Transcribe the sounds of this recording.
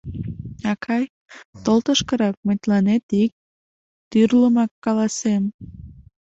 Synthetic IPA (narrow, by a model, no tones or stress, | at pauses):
ɑkʰɑj | t̪olt̪əʃkəɾɑk̚məjt̪lɑnet̪ik̚ | t̪yrləmɑkːɑlɑsem